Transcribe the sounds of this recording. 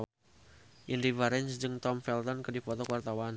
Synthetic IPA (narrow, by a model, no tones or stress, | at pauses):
ʔindivaɾɛnsd͡ʒɨŋt̪ɔmfɛlt̪ɔnkɨdifɔt̪ɔkəwart̪awan